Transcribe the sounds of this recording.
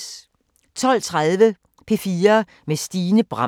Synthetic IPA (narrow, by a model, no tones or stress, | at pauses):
t͡sʰɒ̽l̰t͡sʰʁaðˠʋə | pʰe̝fiːɐ | mesd̥iːnəb̥ʁɑ